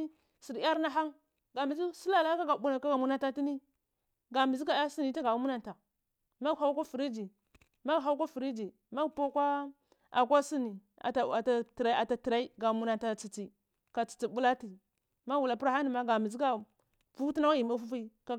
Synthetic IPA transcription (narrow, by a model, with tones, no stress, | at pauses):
si˨ɾa˦ɾna˦ɦa˦ŋ | ɡa˨mi˨zi˦si˦la˦la˦ka˦ɡa˨ɓu˦na˨ka˦ɡa˨mu˦na˦ta˦ti˦ni˦ | ɡa˨mi˨zi˦ɡa˨˦a˦si˦ni˨ta˦ɡa˨u˦mu˦na˨nta˨ | ma˦ɡha˦wkʷa˦fu˨ɾi˦d͡ʒi˨ | ma˦˨ɦa˦kʷa˦fi˨ɾi˦d͡ʒi˨ | ma˦ɡpo˦kʷa˦ | a̰˨k̬ʷa˦si˦ni˨ | a̰˨a˨a˨ta˨tɾa˦a˨ta˨ti˨ɾa˦i˦ɡa˨mu˦na˨ta˨t͡si˨t͡si˨ | ka˨t͡si̥˨t͡si˨bu˦la˦ti˨ | ma˦wu˨la˨pɾa˦a˦ni˨ma˦ɡa˨mi˨zi˦ka˦ | vu˦tna˦wa˦ji˨ma˦fu˦fi˦ka˦